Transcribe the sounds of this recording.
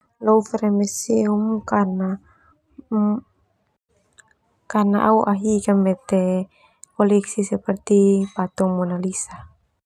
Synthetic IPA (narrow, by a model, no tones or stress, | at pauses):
lɔufɛɾemɛseumkana | kanaʔauʔaɦikamːɛt̪ɛ | pɔliksisɛpərt̪ipat̪ɔmɔnalisa